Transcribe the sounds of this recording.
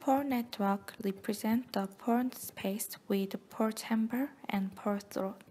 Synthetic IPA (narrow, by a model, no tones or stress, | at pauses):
pʰɔɹnɛtʰwəkɹipʰɹizɛ̃ntðəpʰɔɹnspʰeɪswɪð̥pʰɔɹtʰhɛ̃mbə˞ɛ̃npʰɔɹθɹot